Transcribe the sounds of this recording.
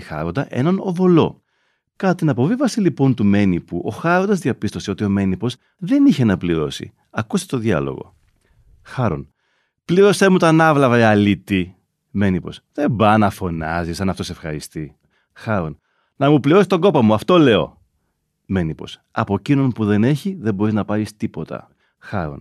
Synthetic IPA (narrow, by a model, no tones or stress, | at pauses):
xɐ̰ɾond̪ɐʔe̞̰nɐno̞vo̞lo̞̰ | kɐt̪ɐt̪inɐpo̞vivɐsilipo̞nt̪ume̞nipuʔo̞xɐɾnd̪ɐzðiɐpist̪o̞seo̞t̪io̞me̞nipo̞s | ðe̞niçe̞nɐpliɾo̞sḭ | ɐkust̪e̥t̪oðʝɐ̰lo̞̰ɣo̞̰ | xɐɾo̞n | pliɾo̞se̞mut̪ɐnɐvlɐvɐɐlit̪i | me̞nipo̞̰sðe̞bɐnɐfo̞nɐzisɐnɐft̪osefxɐɾist̪i | xɐɾo̞n | nɐmupliɾo̞sist̪o̞ɡo̞pɐmuɐft̪o̞le̞o̞̰ | me̞nipo̞̰s | ɐpo̞cino̞npuðe̞ne̞çiðe̞mbo̞ɾiznɐpɐɾist̪ipo̞t̪ɐ̰ | xɐɾo̞̰n